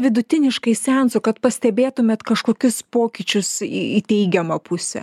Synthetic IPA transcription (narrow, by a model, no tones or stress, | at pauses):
ʋʲɪd̪ʊt̪ʲɪnʲɪʃkɐɪsʲɛnsʊkɐt̪pɐsʲt̪ʲɛbʲeːt̪ʊmʲeːt̪kɐʃkoːkʲʊspoːkʲɪt͡ʃʲʊsiit̪ʲɛɪɡʲɛmɐpʰʊsʲɛ̰